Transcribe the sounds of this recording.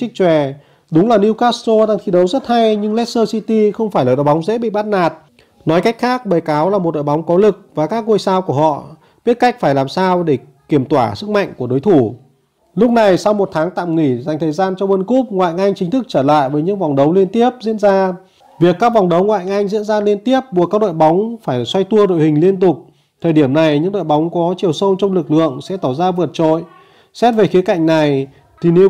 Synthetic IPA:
ï̟˦˥t͡ɕwɛ˨˩ | ɗʊ˨˦ŋ͡mlaː˨˩ni˧wkaː˦˥st̪o˧ɗaː˧ŋt̪ʰi˨˧ɗə˨˦wzə˦˥t̚ha˧jɲɨ˧ŋlɛ˦˥t̚səː˧si˧t̪i˧xə˧wŋ͡mfaː˧˩jlaː˨˩ɗo̰˧˨ɓŋ͡mzḛ˧˥ɓḭ˧˨ɓa˦˥t̚naː˨˩t̚ | nɔ˨˦jka˦˥k̟xaː˦˥k̚ɓəː˨˩jkaː˨˦wlaː˨˩m˨˩t̚ɗo̰˧˨ɓwŋ͡mkɔ˨˦lɨ˨˩k̚vaː˨˩kaː˦˥k̚ŋu˧jsaː˧wku˧˩əhɔ̰˧˨ | ɓi˦˥ət̚ka˦˥k̚faː˧˩jlaː˨˩msaː˧wɗe˧˩ | ki˧˩əmt̪waː˧˩sɨ˦˥k̚ma̰˧˨ŋku˧˩əɗo˨˦jt̪ʰu˧˩ | lʊ˦˥k͡p̚na˨˩jsa˧wmo˨˩t̚t̪ʰaː˨˦ŋt̪a̰ː˧˨mŋi˧˩za˨˩ŋ̟t̪ʰːjzaː˧nt͡ɕɔ˧ɓə˧nku˦˥p̚ŋwa̰ː˧˨jʔa˧jŋ̟t͡ɕï̟˨˦t̪ʰɨ˦˥k̚t͡ɕəː˧˩la̰ː˧˨jvəː˨˦jɲɨ̰˧˥ŋva˨˩wŋ͡mɗə˨˦wli˧ənt̪i˦˥əp̚zḭ˧˥ənzaː˧ | vi˨˩əkːaː˦˥k̚va˨˩wŋ͡mɗə˨˦wŋwa̰ː˧˨jʔa˧jŋ̟zḭ˧˥ənzaː˧li˧ənt̪i˦˥əp̚ɓu˨˩kaː˦˥k̚ɗo̰˧˨jɓa˨˦wŋ͡mfaː˧˩jswa˧jt̪u˧əɗo̰˧˨jhï˨˩ŋ̟li˧ənt̪ʊ˨˩k͡p̚ | t̪ʰəː˨˩ɗi˧˩əmna˨˩jɲɨ̰˧˥ŋɗo̰˧˨jɓa˨˦wŋ͡mkɔ˨˦t͡ɕi˨˩əwsə˧wnt͡ɕɔ˧wŋ͡mlɨ˨˩k̚lɨ̰˧˨əŋsɛ̰˧˥t̪aː˧˩wzaː˧vɨ˨˩ət̚t͡ɕo̰˧˨j | sɛ˦˥t̚ve˨˩xi˨˦ka̰˧˩˨jŋ̟na˨˩j | t̪ʰi˨˩ne˨˦

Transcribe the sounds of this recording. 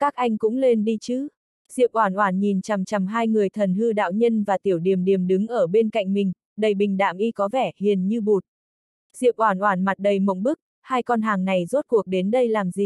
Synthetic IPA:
kaː˦˥k̚ʔa˧jŋ̟kʊ̰˧˥ŋ͡mle˧nɗi˧t͡ɕɨ˨˦ | z̥ḭ˧˨əwʔwaː˧˩nʔwaː˧˩nɲi˨˩nt͡ɕa˨˩mt͡ɕa˨˩mɦaː˧jŋɨ˨˩əjt̪ʰə˨˩nɦɨ˧ɗa̰ː˧˨wɲə˧nvaː˨˩t̪i˧˩əwɗi˨˩əmɗi˨˩əmɗɨ˨˦ŋʔəː˧˩ɓe˧nka̰˧˨jŋ̟mï˨˩ŋ̟ | ɗə˨˩jɓï˨˩ŋ̟ɗa̰ː˧˨mʔi˧kɔ˨˦vɛ˧˩hi˨˩ənɲɨ˧ɓu˨˩t̚ | z̥ḭ˧˨əwʔwaː˧˩nʔwaː˧˩nma˨˩t̚ɗə˨˩jmə̰˧˨ŋ͡mɓɨ˦˥k̚ | haː˧jkɔ˧nɦaː˨˩ŋna˨˩jzo˦˥t̚ku˨˩ək̚ɗe˨˦nɗə˧jlaː˨˩mzi˨˩

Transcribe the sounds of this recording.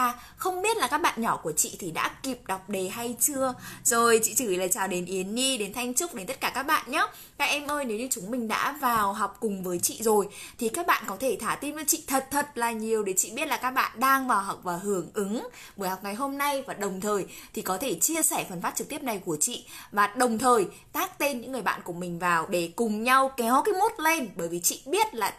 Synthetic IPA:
aː˨˩ | xə˧wŋ͡mɓi˦˥ət̚laː˨˩kaː˦˥k̚ɓa̰ː˧˨nɲɔ˧˩ku˧˩ət͡ɕḭ˧˨t̪ʰi˨˩ɗa̰ː˧˥ki˨˩p̚ɗa˨˩wk͡p̚ɗe˨˩ɦa˧jt͡ɕɨ˧əzo˨˩jt͡ɕḭ˧˨t͡ɕɨ˧˩˨la̰ː˨˩t͡ɕaː˨˩wɗe˨˦nʔi˨˦ənːi˧ɗe˨˦nt̪ʰa˧jŋ̟t͡ɕʊ˦˥k͡p̚ɗe˨˦nt̪ə˦˥t̚kaː˧˩kaː˦˥k̚ɓa̰ː˧˨nɲa˨˦ | kaː˦˥k̚ʔɛ˧mʔəː˧jne˨˦wɲɨ˧t͡ɕʊ˨˦ŋ͡mmï˨˩ŋ̟ɗa̰ː˧˥vaː˨˩wɦɔ˨˩wk͡p̚kʊ˨˩ŋ͡mvəː˨˦jt͡ɕḭ˧˨zo˨˩jt̪ʰi˨˩kaː˦˥k̚ɓa̰ː˧˨nkɔ˨˦t̪ʰe˧˩t̪ʰaː˧˩t̪i˧ma˨˩t͡ɕḭ˧˨t̪ʰə˨˩t̚t̪ʰə˨˩t̚laː˨˩ɲi˨˩əwɗe˧˩t͡ɕḭ˧˨ɓi˦˥ət̚laː˨˩kaː˦˥k̚ɓa̰ː˧˨nɗaː˧ŋvaː˨˩wɦa˨˩wk͡p̚vaː˨˩ɦɨ˧˩əŋʔɨ˨˦ŋ | ɓɨː˧˨˦jhɔ˨˩k͡p̚ŋa˨˩jɦo˧mna˧jvaː˨˩ɗə˨˩wŋ͡mt̪ʰəː˨˩jt̪ʰi˨˩kɔ˨˦t̪ʰe˧˩t͡ɕi˧əsɛ˧˩fə˨˩nfaː˦˥t̚t͡ɕɨ˨k̚t̪i˦˥əp̚na˨˩jku˧˩ət͡ɕḭ˧˨vaː˨˩ɗə˨˩wŋ͡mt̪ʰəː˨˩j | t̪aː˦˥k̚t̪e˧nɲɨ̰˧˥ŋːɨ˨˩əjɓa̰ː˧˨nku˧˩əmï˨˩ŋ̟vaː˨˩wɗe˧˩kʊ˨˩ŋ͡mɲa˧wkɛ˨˦wkaː˨˦jmo˦˥t̚le˧nɓəː˧˩jvi˨˩t͡ɕḭ˧˨ɓi˦˥ət̚laː˨˩

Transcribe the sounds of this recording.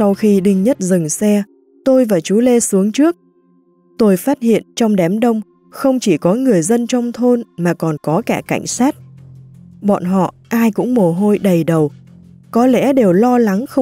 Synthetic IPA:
sa˧wxi˧ɗï˧ŋ̟ɲə˦˥t̚zɨ˨˩ŋsɛ˧ | t̪o˧jvaː˨˩t͡ɕu˨˦le˧su˨˦əŋt͡ɕɨ˦˥ək̚ | t̪o˧jfaː˦˥t̚hḭ˧˨ənt͡ɕɔ˧wŋ͡mɗɛ˨˦mɗə˧wŋ͡m | xə˧wŋ͡mt͡ɕi˧˩kɔ˨˦ŋɨ˨˩əjzə˧nt͡ɕɔ˧wŋ͡mt̪ʰo˧nmaː˨˩kɔ˨˩nkɔ˨˦kaː˧˩ka̰˧˩jŋ̟saː˦˥t̚ | ɓɔ̰˧˨nɦɔ̰˧˨ | ʔaː˧jkʊ̰˧˥ŋ͡mmo˨˩ɦo˧jɗə˨˩jɗə˨˩w | kɔ˨˦lɛ̰˧˥ɗe˨˩wlɔ˧la˨˦ŋxə˧

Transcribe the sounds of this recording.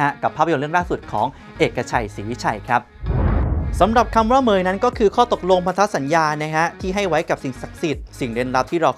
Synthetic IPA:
a˦˥ka˨˩pʰːaː˥˩pʰːa˧jo˧ɾɯ˥˩əŋlaː˥˩su˨˩t̪̚kʰɔː˩˦ŋ | ʔeː˨˩kːa˧t͡ɕʰa˧˩jsiː˨˩˦t͡ɕʰa˨˩jkʰɾa˦˥p̚ | sa˩˦mɾa˨˩p̚kʰa˧mwaː˥˩mɤː˨˩jna˦˥nkɔː˥˩kʰɯː˧kʰɔː˥˩t̪o˨˩k̚lo˧ŋpʰa˧t̪ʰa˦˥sa˩˦njaː˧na˦˥kʰa˦˥t̪ʰiː˥˩ɦa˥˩jwa˦˥jka˨˩p̚si˨˩ŋsa˨˩k̚si˨˩t̪̚si˨˩ŋde˧nɾa˦˥p̚t̪ʰiː˥˩ɾa˧

